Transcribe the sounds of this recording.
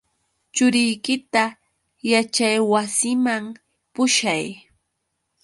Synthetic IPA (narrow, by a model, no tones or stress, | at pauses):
t͡ʃʊɾɪjkɪt̪a | jat͡ʃajwasɪmaŋ | pʊʃaj